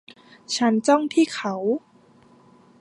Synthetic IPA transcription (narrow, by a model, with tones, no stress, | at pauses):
t͡ɕʰa˦˥nt͡ɕɔ˥˩ŋt̪ʰiː˥˩kʰa˧˥w